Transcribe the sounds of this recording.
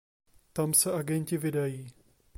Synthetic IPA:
t̪amsɛʔaɡɛɲcɪvɪdajiː

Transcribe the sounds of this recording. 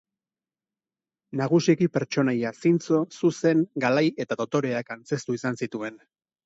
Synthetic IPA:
naɣ̞usikipe̞ɾt͡ʃo̞najasint͡so̞suse̞ŋɡalaje̞t̪aðo̞t̪o̞ɾe̞akant͡se̞st̪uisansit̪ue̞n

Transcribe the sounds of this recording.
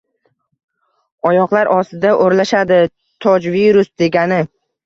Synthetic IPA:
ɒjɒqlˠaɾʔɒst̪ɪd̪aʔoɾlaʃad̪ɪ | t̪ʰɒd͡ʒviɾʊsd̪e̞ɡʲanɪ

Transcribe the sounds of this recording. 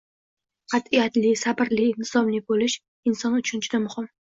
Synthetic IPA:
qʰɑt̪ijat̪lɪsabɪɾliɪnɪsɒmlɪbolɪʃ | ɪnsɒnʊt͡ʃʰʊnt͡ʃʰɪd̪amʊhɪm

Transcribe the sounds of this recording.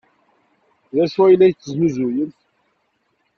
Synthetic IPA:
ðæʃwæjlːæjt͡sːəznuzujənθ

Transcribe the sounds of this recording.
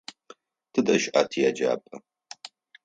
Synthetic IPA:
tʰɨdʼɐʃʔaːtʰijad͡ʒa̰ːpʼɐ

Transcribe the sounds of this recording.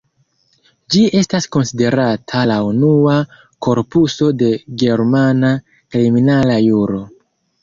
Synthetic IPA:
d͡ʒie̞stasko̞nside̞ɾatʰalaunua | ko̞ɾpuso̞de̞ɡe̞ɾmana | kɾiminalajuɾo̞

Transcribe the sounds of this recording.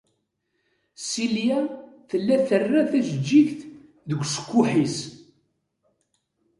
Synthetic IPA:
siljæθəlːæθərːæθæʒəd͡ʒːiçθ | ðəɡʷsə̥kʷːʊħis

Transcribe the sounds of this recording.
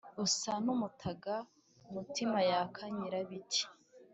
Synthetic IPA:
usanumutʰaɡa | umutʰimajakʰaɲiɾaβit͡ʃi̥

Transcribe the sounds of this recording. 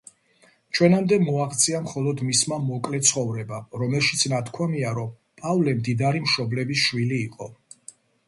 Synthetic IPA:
t͡ʃʰwɛnamd̪ɛmɔaχt̪sʼiamχɔlˠɔd̪mismamɔkʼlɛt̪sʰχɔvɾɛbaɾɔmɛlˠʃi̥t̪sʰnat̪ʰkʰwamiaɾɔm | pʼavlɛmd̪id̪aɾimʃɔblɛbisʃwiliːqʼɔ

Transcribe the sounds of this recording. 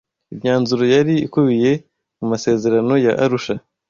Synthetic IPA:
imɲaːnzuɾo̞jaɾiːkuβije̞ | mumase̞ːze̞ɾano̞jaʔaɾuʃa

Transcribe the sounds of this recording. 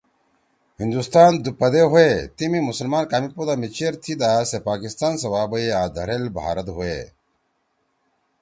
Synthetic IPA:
hind̪ust̪aːnd̪upɐd̪eɦuet̪imimusɐlmaːnkaːmipod̪aːmit͡ɕʰeɾt̪ʰid̪aːsepaːkist̪aːnsɐwaːbɐeaːd̪ʱɐ̰ɾelbʱa̰ːɾɐt̪ɦue

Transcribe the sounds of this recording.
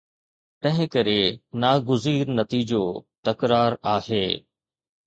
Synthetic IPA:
t̪ɐ̃ɦɪ̃kɐɾenaːɡʊziːɾnɐt̪iːd͡ʑot̪ɐkɾaːɾaːheː

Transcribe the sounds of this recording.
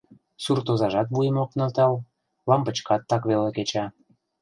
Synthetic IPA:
surt̪ozɑʒɑt̪βujəmok̚nɤ̆lt̪ɑl | lɑmbət͡ɕkɑt̪ːɑkβeleket͡ɕɑ

